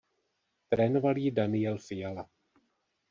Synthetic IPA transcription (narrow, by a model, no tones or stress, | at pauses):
t̪ɾɛːnovaliːdanɪjɛlfɪjala